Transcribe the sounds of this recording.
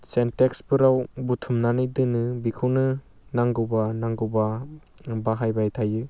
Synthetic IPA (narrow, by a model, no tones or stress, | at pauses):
sentekspɯɾawbutʰumnanɯjdɯnɯbikʰɯwnɯ | naŋɡɯwbanaŋɡɯwba | baɦajbajtʰajɯ